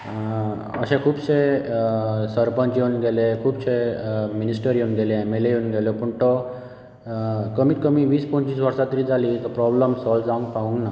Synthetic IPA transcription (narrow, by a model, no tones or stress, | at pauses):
ə̰ɕẽkʰuːbse | səɾpə̃nt͡ɕjenɡelekʰuːbseminisʈəɾjenɡelẽemelejonɡeljɔpuɳʈ̪ɔ | kəmiːt̪kəmiʋiːspəɲt͡ɕiːsʋəɾsat̪ɾid͡zalit̪ɔpɾɔbləmsɔld͡zaũŋɡpaũŋɡna